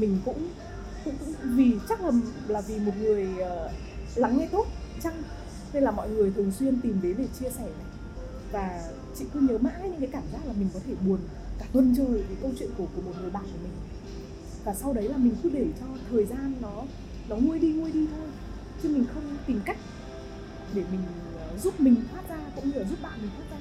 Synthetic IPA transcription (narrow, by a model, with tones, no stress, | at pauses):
mï˨˩ŋ̟kʊ̰˧˥ŋ͡m | kʊ̰˧˥ŋ͡mkʊ̰˧˥ŋ͡mvi˨˩t͡ɕa˦˥k̚lə˨˩m | laː˨˩vi˨˩mo˨˩t̚ŋɨ˨˩əjəː˨˩ | la˨˦ŋːɛ˧jt̪o˦˥t̚t͡ɕa˧ŋ | na˧nlaː˨˩mɔ̰˧˨jŋɨ˨˩əjt̪ʰɨ˨˩əŋswi˧ənt̪i˨˩mɗe˨˦ɗe˧˩t͡ɕi˧əsɛ˧˩na˨˩j | vaː˨˩ | t͡ɕḭ˧˨k̪ɨ˧ɲəː˨˦ma̰ː˧˥˧jɲɨ̰˧ŋkaː˨˦kaː˧˩mza˦˥k̚laː˨˩mï˨˩ŋ̟kɔ˨˦t̪ʰe˧˩ɓu˨˩ən | kaː˧˩ə˧nt͡ɕəː˨˩jve˨˦jkə˧wt͡ɕwḭ˧˨ənku˧˩ku˧˩əmo˨˩t̚ŋɨ˨˩əjɓa̰ː˧˨ku˧˩əmï˨˩ŋ̟ | vaː˨˩sa˧wɗə˨˦jlaː˨˩mi˨˩ŋ̟kɨ˧˦˥ɗe˧˩t͡ɕɔ˧t̪ʰəː˨˩jzaː˧nːɔ˨˦ | nɔ˨˦ŋu˧əjɗi˧ŋu˧əjɗi˧ŋu˧əj | t͡ɕɨ˧mï˨˩ŋ̟xə˧wŋ͡mt̪i˨˩mka˦˥k̟̚ | ɗe˧˩mï˨˩ŋ̟˨˩ | zu˦˥p̚mï˨˩ŋ̟t̪ʰwaː˦˥t̚zaː˧kʊ̰˧˥ŋ͡mɲɨ˧laː˨˩zu˦˥p̚ɓa̰ː˧˨mi˨˩ŋ̟waː˦˥t̚zaː˧